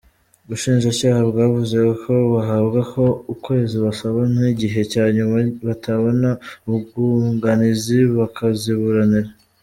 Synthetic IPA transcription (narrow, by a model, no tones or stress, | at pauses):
uβuʃiːnʒacaːhabɡaːvuze̞kʰo̞βaɦabɡaho̞ukwe̞ːziβasaβaniɟiɦe̞caːɲumaβatʰaβonauɡuŋɡaniziβakaziβuɾaniɾa